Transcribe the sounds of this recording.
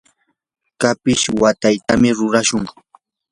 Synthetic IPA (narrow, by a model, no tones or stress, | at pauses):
kapɪʃwat̪ajt̪amɪɾʊɾaʃʊŋ